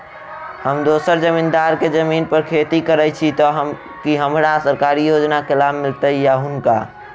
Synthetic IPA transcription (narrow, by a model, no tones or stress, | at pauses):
həmd̪osəɾd͡ʒəmind̪aɾked͡ʒəminpəɾkʰet̪ikəɾɛt͡ʃʰit̪ɔɦ | kiɦəmɾasəɾkaɾijod͡ʒnakelabmːilt̪əijaɦunka̰